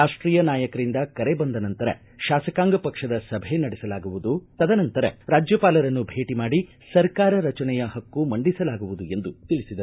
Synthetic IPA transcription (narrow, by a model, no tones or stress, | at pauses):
aːʂʈɾiːjɐnaːjɐkɐɾind̪ɐkɐɾebɐnd̪ɐnɐnt̪ɐɾɐ̰ | ʃaːsɐkaːŋɡɐpɐkʂɐd̪ɐsɐbʱenɐɽɛsɐlaːɡuʋud̪ut̪ɐd̪ɐnɐnt̪ɐɾɐ̰ɾaːd͡ʒjɐpaːlɐɾɐnːubʱe̞ːʈimaːɽi | sɐɾkaːɾɐɾɐt͡ʃɐnɛjɐɦɐkːumɐɳɖisɐlaːɡuʋud̪ue̞nd̪ut̪iɭisid̪ɐ